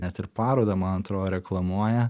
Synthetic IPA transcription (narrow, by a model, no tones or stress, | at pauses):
nʲɛt̪ɪɾpɑːɾoːd̪ɐmɐnɐnt̪ɾoːjɾʲɛklˠɐmuɔjɛ